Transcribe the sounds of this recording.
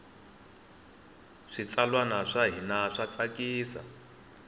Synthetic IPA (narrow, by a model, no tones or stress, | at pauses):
ʂit͡salwanaʂaɦinaʂat͡sakʼiːsa̰